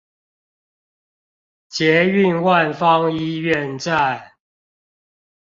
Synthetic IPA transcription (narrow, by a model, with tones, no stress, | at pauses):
t͡ɕjɛ˨˦y˥˨nwa˥˨nfɑ˦ŋi˦ɥɛ˥˨nt͡sa˥˨ɪ